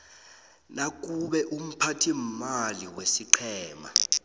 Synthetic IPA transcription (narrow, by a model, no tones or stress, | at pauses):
nak̬ʼuɓɛʔum̩pʰatʰimaliwesiǃʰɛːma̰